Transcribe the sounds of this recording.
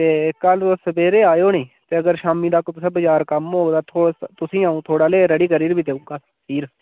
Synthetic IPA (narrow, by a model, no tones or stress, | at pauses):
t̪eːkːəlosəbeːɾeːaːjoːnĩːt̪eːəɡəɾʃaːmĩːd̪aːkot̪sə̃bəd͡ʒaːɾkəmɦoːd̪aːt̪ʰoːt̪ʊsĩːaːũːt̪ʰoːɽaːleːɾəɽiːkəɾiːɾbiːd̪eːũːɡaː | iːɾ